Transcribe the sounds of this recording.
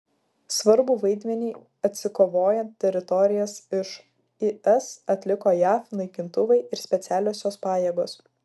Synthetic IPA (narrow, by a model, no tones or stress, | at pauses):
sʋɐɾbuːʋɐɪd̪ʲmʲɛnʲiː | ɐt̪ʲsʲɪkoːʋoːjɛnt̪ʲt̪ʲːɛɾʲɪt̪ɔɾʲɪjɛsɪʃ | ɪʔɛsɐt̪ʲlʲɪkoːjæːfnɐɪkʲɪnt̪ʊʋɐɪɪɾsʲpʲɛt̪sʲæːlʲoːsʲoːspɑːjeːɡoːs